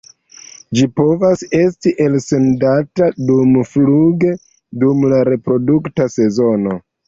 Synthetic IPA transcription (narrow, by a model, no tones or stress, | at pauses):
d͡ʒipo̞vase̞stiʔe̞lse̞ndatadumfluɡe̞ | dumlaɾe̞pɾo̞duktase̞zo̞no̞